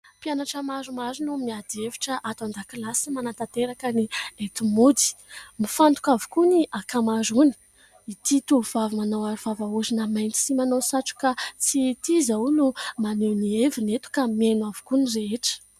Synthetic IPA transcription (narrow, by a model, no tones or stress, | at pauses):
pjanaʈ͡ʂəmazumazunumiad̪evi̥ʈ͡ʂəʔat̪and̪akilasimanat̪at̪eɾakəniet̪umud̪i̥mifant̪u̥kavu̥kuniʔakamazuni̥ | it̪it̪uv̥avimanawaɾuv̥avauzinamajnt̪i̥simanowsaʈ͡ʂu̥kat͡sit̪izawnumanewnievinet̪u̥kamenwavu̥kunireeʈ͡ʂə̥